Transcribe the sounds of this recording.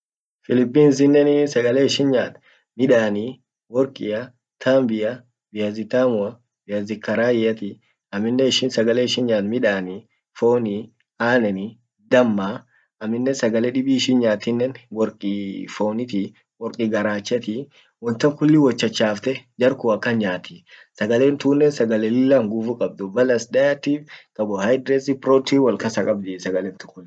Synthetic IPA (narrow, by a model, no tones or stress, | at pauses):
fɪlɪpːiːns̬ɪnːɛnɪsɐɡɐleːɪʃɪnɲaːt̪ | mɪᶑaːni | wɔɾkʼɪjɐ | t̪ʰaːmbɪjɐ | bɪjɐzɪt̪aːmʊɐ | bɪjɐzɪkːɐɾaːjɪjɐt̪ɪ | ɐmːɪnːɛɪʃɪnsɐɡɐleːɪʃɪnɲaːt̪mɪᶑaːni | foːni | aːnɛnɪ | d̪ɐmːa | ɐmːɪnːɛsɐɡɐlɛᶑɪbiɪʃɪnɲaːt̪ɪnːɛnwɔɾkʼifoːnɪt̪ɪ | wɔɾkʼiɡɐɾaːt͡ʃːɐt̪ɪ | wɔnt̪ɐmkʊlːɪwɔt͡ʃːɐt͡ʃːaːft̪ɛd͡ʒɐɾkʊɐkːɐnɲaːt̪ɪsɐɡɐleːnt̪uːnːɛnsɐɡɐlɛlɪlːɐŋɡʊfukʼɐb̚d̪ʊbɐlɐsdɐjɐt̪ːiːfkʼɐbɔhɐjd̪ɾɛsɪpɾoːt̪iwɐlkɐsɐkʼɐbd̪ɪsɐɡɐlɛnt̪ʊ̥kːʊnː